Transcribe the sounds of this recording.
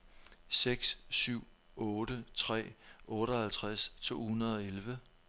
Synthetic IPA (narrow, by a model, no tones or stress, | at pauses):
seɡ̥ssyʊ̰ | ɔ̽ːɾət͡sʰʁɛ̰ːʔɔ̽ːɾ̥ɒhælt͡sʰʁast͡sʰo̝̰ːhunɐð̞ˠɒ̽elʋə